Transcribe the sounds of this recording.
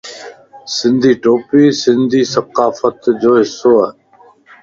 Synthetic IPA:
sɪ̃nd̪ʱiːʈoːpiːsɪ̃nd̪ʱiːsəqaːfət̪d͡ʑoːɦɪsːoːa

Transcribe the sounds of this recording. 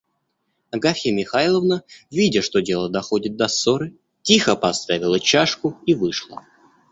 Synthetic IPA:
ɐɡafʲɪmʲɪxajlˠəvnəvʲidʲəʂt̪o̞dʲe̞lˠəd̪ɐxo̞dʲɪt̪̚d̪ɐsːoɾɨ | tʲixəpɐst̪avʲɪlˠət͡ɕaʂkʊivɨʂlˠə̰

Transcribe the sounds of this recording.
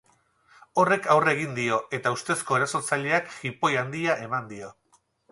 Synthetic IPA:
o̞re̞kawre̞ɣ̞ind̪io̞e̞t̪aust̪e̞sko̞eɾaso̞ɾt͡saʎe̞akxipo̞jand̪iaʔe̞mand̪io̞

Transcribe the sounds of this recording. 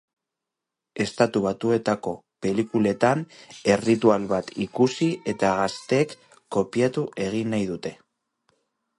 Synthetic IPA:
e̞st̪at̪uβ̞at̪ue̞t̪ako̞pe̞likule̞t̪ane̞rit̪ualβat̪ikusie̞t̪aɣast̪e̞kː | o̞piat̪uʔe̞ɣ̞inːajðut̪e̞

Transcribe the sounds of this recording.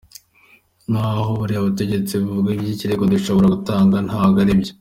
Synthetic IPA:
n̥ahoβuɾiaβute̞ɟe̞t͡siβuvuɡaiɟiciɾeɡoduʃo̞βoɾaɡutaːŋɡan̥haɡaɾibɟo

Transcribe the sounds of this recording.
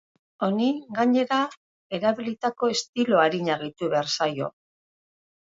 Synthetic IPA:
o̞niɡaɲe̞ɾa | e̞ɾaβilit̪ako̞e̞st̪ilo̞aɾiɲaɣit̪uβeaɾsajo̞̰

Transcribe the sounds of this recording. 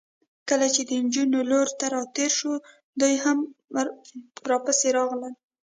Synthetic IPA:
kəlat͡ʃed̪ənd͡ʒunoloɾt̪aɾɑt̪eɾʃo | d̪ujɦam | ɾɑpaseɾɑɣləl

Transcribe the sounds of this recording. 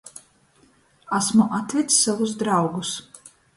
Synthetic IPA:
asmuʔat̪vʲit̪sːavusd̪ɾawɡus

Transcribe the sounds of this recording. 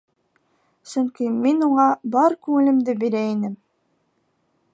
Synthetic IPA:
sɵŋkiminuɴɑbɑɾkʉŋɘ̆lɘ̆md̪ɘbiɾæinɘm

